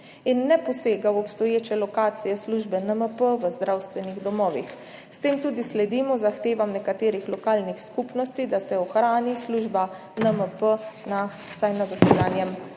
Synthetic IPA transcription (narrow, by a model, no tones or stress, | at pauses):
inːɛpɔseːɡawɔpst̪ɔjeːt͡ʃɛlɔkaːt̪sijɛsluʒbɛnəməpəʋəzd̪ɾawst̪ʋɛniɣd̪ɔmɔːʋḭx | st̪eːmt̪uːd̪islɛd̪iːmɔzaxt̪eːʋamnɛkat̪eːɾixlɔkaːlnixskupnɔst̪id̪asɛɔxɾaːnisluːʒba | nəməpəna | sajnad̪əsɛɡ̪aːnjɛm